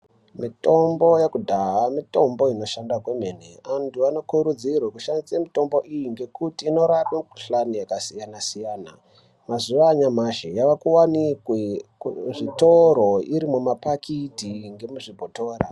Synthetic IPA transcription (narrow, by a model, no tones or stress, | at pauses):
mito̞mbo̞jekudʱaɦamito̞mbo̞ino̞ʃandakwemeneantʰuano̞kuɾud͡zirwakuʃandisamito̞mbo̞ʔijiŋɡe̞kutiːno̞ɾapweuɬanijakasijanasijaːna̰ | mazuʋaɲamaʃejaʋakuwanikweʐito̞ɾo̞iɾimumapakʰitiŋɡe̞muʐibʱoto̞ːɾa̰